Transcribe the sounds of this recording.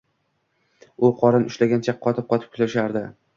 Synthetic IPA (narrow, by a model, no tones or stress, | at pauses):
ʊqʰɒɾɪnʊʃlaɡʲant͡ʃʰaqʰːɒt̪ʰɪp̚qʰɒt̪ʰɪp̚kʰʊ̥zaʃaɾd̪ɪ